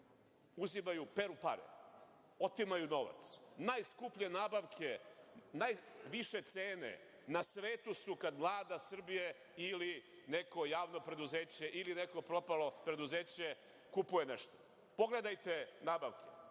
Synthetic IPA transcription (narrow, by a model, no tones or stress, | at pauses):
uzimajupeɾupa̰ɾḛ | o̞t̪imajuno̞ʋa̰t̪snajskupʎenaːbaʋkʰenajʋiʃe̞t̪seːne̞̰ | nasʋe̞ːt̪usukad̪mlˠaːd̪asr̩bije | ili | neko̞jaːʋno̞pɾe̞d̪uzeːt͡ɕe̞ʔilineko̞pɾo̞palopɾe̞d̪uzeːt͡ɕe | kupuje̞ne̞ʃt̪o̥ | po̞ɡle̞d̪ajt̪e̞naːbaʋkʰe̥